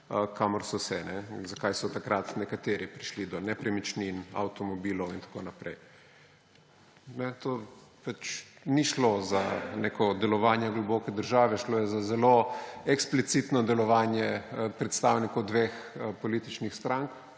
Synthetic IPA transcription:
kʰamɔɾsɔsɛnɛzakajsɔt̪akɾat̪nɛkat̪eːɾipɾiʃlid̪ɔnɛpɾɛmit͡ʃnina̰wt̪ɔmɔbiːlɔwint̪ḁkoːnapɾɛj | nɛt̪oːpat͡ʃniʃlozanekʰɔd̪ɛlɔʋaːnjɛɡlɔbokɛd̪əɾʒaːʋɛʃloːjɛzazɛloɛksplit̪sit̪nɔd̪ɛlɔʋaːnjɛpɾɛt̪st̪awnikɔwd̪ʋexpɔliːt̪it͡ʃnixst̪ɾaŋk

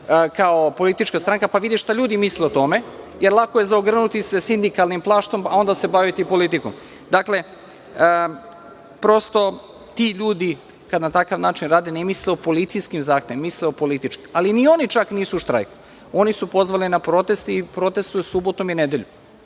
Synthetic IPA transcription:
kaopo̞lit̪it͡ʃkast̪ɾaŋkapaʋid̪iʃt̪aʎuːd̪imisleot̪o̞me̞jeɾlˠakojezaoɡr̩nut̪isesind̪ikalˠnimplˠaːʃt̪o̞mao̞nd̪ase̞baʋit̪ipo̞lit̪ikom | d̪akle̞ | ə | pɾo̞st̪o̞ | t̪iʎuːd̪i | kad̪nat̪akaʋnaːt͡ʃinɾaːd̪enemisleopo̞lit̪sijskimzaːxt̪eʋimːisleo̞po̞lit̪it͡ʃkimalinio̞nit͡ʃakniːsuʃt̪ɾa̰jku̥ | o̞nisupo̞zʋalinapɾo̞t̪e̞st̪ipɾo̞t̪est̪ujusubot̪omined̪eʎṵ

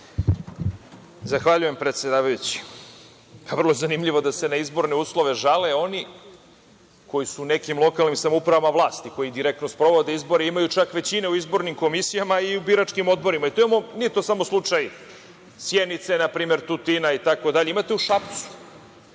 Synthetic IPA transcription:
zaxʋaʎuje̞mpɾet̪sjed̪aːʋajut͡ɕi̥ | pavrlˠoezanimʎiʋo̞d̪ase̞naizbo̞ɾne̞uːslˠo̞ʋe̞ʒaleo̞ni | ko̞jisuːne̞kimlˠo̞kaːlnimsamoupɾaʋamaʋlˠaːst̪iko̞jid̪iɾek̚t̪nospɾo̞ʋo̞d̪e̞izbo̞ɾeimajut͡ʃakʋe̞t͡ɕine̞uizbo̞ɾnimko̞misijamaiubiɾat͡ʂkimo̞d̪̚bo̞ɾimait̪oimamo̞niet̪o̞samo̞slˠut͡ʂaj | sjenit̪senapɾiːme̞ɾt̪ut̪inait̪ako̞d̪aʎeimat̪e̞uʃapt̪su̥

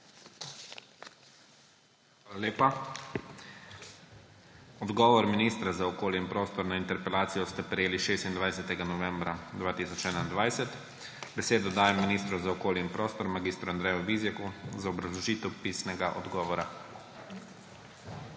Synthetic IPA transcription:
x | alaleːpa | ɔd̪ɡɔːʋɔɾminist̪ɾazaɔkoːljiinpɾoːst̪ɔɾnaint̪ɛɾpɛlaːt̪sijɔst̪ɛpɾɛjeːliʃeːst̪ind̪ʋajsɛt̪ɛɡanɔʋɛmbɾad̪ʋaːt̪isɔt͡ʃɛːnaind̪ʋajsɛt̪ | bɛseːd̪ɔd̪aːjɛmːiniːst̪ɾuzaɔkoːljinpɾoːst̪ɔɾmaɡiːst̪ɾuand̪ɾɛːjɔʋiːzjɛkuzaɔbɾɐzlɔʒiːt̪ɛwpiːsnɛɡaʔɔ̰d̪ɡɔːʋɔɾa

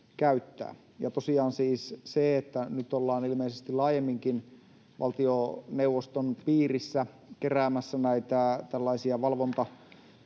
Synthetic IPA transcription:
kæyt̪ːæ̰ː | jɑt̪osiɑːnsiːsseet̪ːænyt̪olːɑːnilmeisest̪ilɑːjemːiŋkin | ʋɑ̰lt̪ioneuʋːost̪onpiːrisːæ | keræːmæsːænæit̪æt̪ælːɑisiɑʋɑlʋont̪ɑ

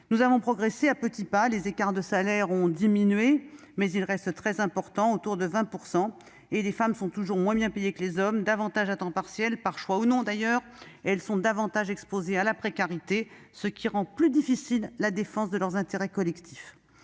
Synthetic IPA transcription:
nuzavɔ̃pχɔɡʁeseapət̪ipalezekaʁd̪əsalɛʁɔ̃d̪iminɥe | mɛzilʁɛst̪ət̪χɛzɛ̃pɔʁt̪ɑ̃ot̪uʁd̪əvɛ̃puʁsɑ̃ | elefamsɔ̃t̪uʒuʁmwɛ̃bjɛ̃pejekəlezɔmd̪avɑ̃t̪aʒat̪ɑ̃paʁsjɛlpaʁʃwaunɔ̃d̪ajœːʁɛlsɔ̃d̪avɑ̃t̪aʒɛkspozealapχekaʁit̪e | səkʲiʁɑ̃plyd̪ifisilːad̪efɑ̃sd̪əlœʁzɛ̃t̪eʁɛkɔlɛkt̪ʰi̥f

